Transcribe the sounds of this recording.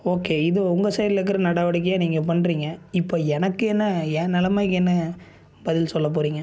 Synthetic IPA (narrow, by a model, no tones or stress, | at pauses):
oːkːeːɪðɯʊŋɡɐsɐɪɾɪlɛk̬ːɯɾɐnɐɽaːʋɐɽɪk̬ːɐjaːniːŋɡɐp̬ɐɳːɾiːŋɡɐɪpːoːɛnɐkːɯɛnːɐɛːnɛlɐmaːɪkːɛnːɐ | bɐðɪlsɔlːɐp̬oːɾiːŋɡɐ